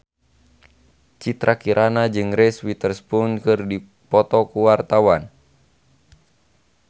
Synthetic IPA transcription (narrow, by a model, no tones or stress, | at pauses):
t͡ʃit̪ɾakiɾʔanad͡ʒɨŋrɛswit̪ərspunkɨrdi | pɔt̪ɔkuwart̪awan